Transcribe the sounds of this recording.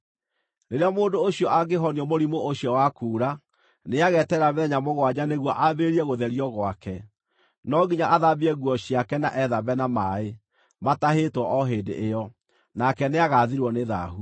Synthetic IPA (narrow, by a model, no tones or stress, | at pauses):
neɾeamoːndoːɕjɔʔaɡeɦɔniɔmoɾimooɕjɔwakuːɾa | neaɣɛtɛɾameðɛɲamoɣwaɲaneɣwɔʔaβeɾiɛɣoðɛɾiɔɣwakɛ | nɔɡiɲaʔaðabiɛɣwɔɕiakɛna̰ʔɛðabɛnamae | mataɦetwɔʔɔɦeːndḛʔejɔ | nakɛneaɣaðiɾwɔneða̰ɦu